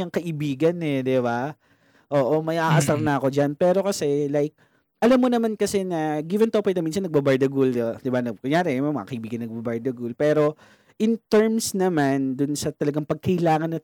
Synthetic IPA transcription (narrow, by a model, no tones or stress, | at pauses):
ɐŋkɐʔɪbiːɡɐnɛd̪ɪba | ʔoːʔomɐjʔaʔɐsaɾnɐɐko̞d͡ʒanpɛːɾo̞kɐsɛlajk̚ | ʔɐlamːonɐmankɐsɛnɐɡivɛnt̪opɪk̚nɐmins̬ɐnːɐɡ̚bɐbaɹd̪ɐɡʊld̪d̪ɪbanɐkʊŋjaːɾɛmɛmɐŋa̰kɐʔɪbiːɡɐnːɐɡ̚bɐbaɹd̪ɐɡʊlpɛːɾo̞ | ʔɪnt̪ɛɹmsnɐmand̪ʊnsɐt̪ɐlɐɡaŋpɐɡ̚kɐɪlaːŋɐnːɐ